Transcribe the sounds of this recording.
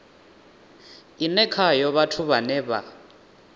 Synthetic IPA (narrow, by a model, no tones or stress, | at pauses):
inɛkʰajɔβatʰuβanɛβa̰